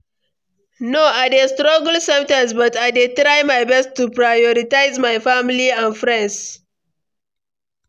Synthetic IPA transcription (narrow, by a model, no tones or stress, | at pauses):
noajdestɾʌɡl̩sɛ̃mtãms̬bʌtajdetɾajmajbɛsttːupɹajɔɾitaɪzmajfamiliãnfɹɛ̃nds